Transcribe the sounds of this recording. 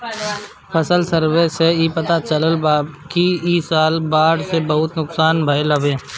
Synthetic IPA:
pʰɐsəlsəɾweseiːpɐt̪at͡ʃələlbaːbkiiːsaːlbaːɽsebɐɦʊt̪nʊksaːnbʱəeləbẽː

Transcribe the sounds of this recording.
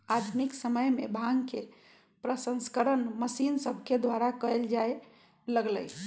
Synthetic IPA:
ad̪ʱmiksəməjmebʱãɡke | pɾəsə̃nskəɾənməsinsəbʱked̪ʋaɾakəjld͡ʒae | ləɡlə̰j

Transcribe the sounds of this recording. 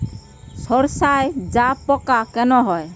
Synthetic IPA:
sɔɾsajd͡ʒapɔkakɛnɔɦɔj

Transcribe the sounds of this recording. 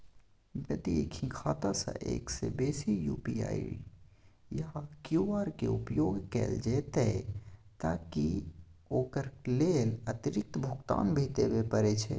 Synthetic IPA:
bəd̪iekʰĩkʰaːt̪asə̰̃ʔḛksebeːsijṵpia̰ḭ | jəɦakjuaɾkḛupjoɡkɛ̰ld͡ʒɛt̪ɛt̪akioːkəɾlelət̪iɾɪk̚t̪bʱukt̪a̰ːnbʱit̪ebepəɾɛt͡ʃʰɛ

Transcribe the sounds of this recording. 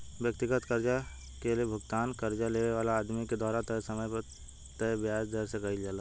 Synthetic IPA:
bjək̚t̪ɪɡət̪kəɾd͡ʒa | keliebʱəɡt̪aːnkəɾd͡ʒaleːʋaːlaːd̪miked̪waːɾat̪əjsəməjpəɾ | t̪əbjaːd̪əɾsekəid͡ʒala

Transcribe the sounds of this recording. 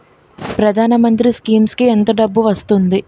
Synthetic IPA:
pɾɐd̪ʱaːnɐmɐnt̪ɾiskiːmskient̪ɐɖɐbːuʋɐst̪und̪i

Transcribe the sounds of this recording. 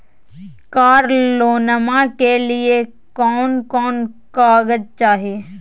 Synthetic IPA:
kaːɾloːnəmãkelie | kɔːnkɔːnkaːɡəd͡ʒt͡ʃaːɦieː

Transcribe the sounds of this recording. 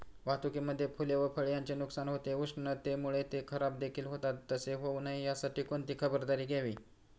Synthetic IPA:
ʋat̪ukiːməd̪ʱːjepʰuleʋəpʰəɭjaɲt͡ɕenuksanɦot̪euʂɳət̪emuɭet̪ekʰəɾap̚d̪ekʰiːlɦot̪at̪ːəseɦownaɦijasaʈiːkoɳt̪iːkʰəbəɾd̪aɾiːɡʱjaʋiː

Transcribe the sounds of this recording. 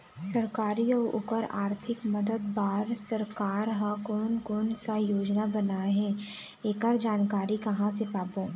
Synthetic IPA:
sɐɾkaːɾijoʔʊpəɾaːɾt̪ʰɪkməd̪əd̪̚baːɾsɐɾkaːɾɦaːkoːnkoːnsajoːd͡ʒnabɐnaːeɦɛ̃ | eːkaːɾd͡ʒaːnkaːɾikɐɦãs̬epaːbõː

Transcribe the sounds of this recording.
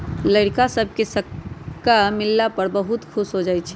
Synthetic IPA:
ləɽkasəbʱkesəkːamilːapəɾbəɦut̪kʰusɦod͡ʒajt͡ʃʰɛ̥

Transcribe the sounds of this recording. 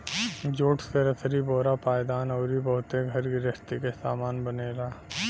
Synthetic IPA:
d͡ʒoːʈʰseɾɐsʰɾiboːɾapaːjd̪aːnɔːɾibɐɦʊt̪eɡʱɐɾkiɾɪst̪ikesa̰ːmaːnbɐneːlaː

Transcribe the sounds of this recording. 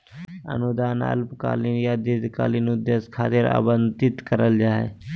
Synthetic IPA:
ə̰nʊd̪aːnə̰lpka̰ːlinjaːd̪ɪd̪ka̰ːlinʊd̪eskʰaːt̪ɪɾa̰ːbənd̪ɪt̪kəɾəld͡ʒaːɦɛ̰ː

